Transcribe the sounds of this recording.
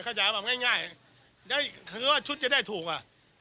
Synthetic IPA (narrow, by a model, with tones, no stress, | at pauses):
kʰaː˧˩t͡ɕaː˨˦bɛː˨˩p̚ŋaː˥˩jŋaː˥˩ja˨˩ | daː˥˩jkʰɯː˧waː˥˩t͡ɕʰu˦˥t̪̚t͡ɕa˨˩daː˥˩jt̪ʰuː˨˩k̚ʔa˧˩ʔ